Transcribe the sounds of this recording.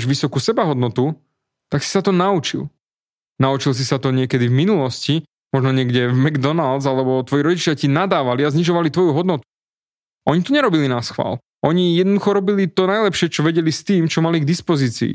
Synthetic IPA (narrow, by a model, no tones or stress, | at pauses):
ʒʋisɔkusɛbaɦɔd̪nɔt̪u | t̪aksi̥sat̪ɔnaut͡ʃḭl | naut͡ʃils̬isat̪ɔɲɪɛkɛd̪ivminulɔsci | mɔʒnɔɲɪɛɡɟɛvmɛɡd̪ɔnald̪zalɛbɔt̪ʋɔjiɾɔɟit͡ʃɪacinad̪aːʋaliazɲiʒɔʋalit̪ʋɔjuɦɔd̪nɔt̪u̥ | ʔɔɲit̪ɔɲɛɾɔbilinasxʋa̰ːl | ʔɔɲijɛd̪nɔd̪uxɔɾɔbilit̪ɔnajlɛpʃɪɛt͡ʃɔʋɛɟɛlist̪iːmt͡ʃɔmaliɡd̪ispɔziːt͡sḭː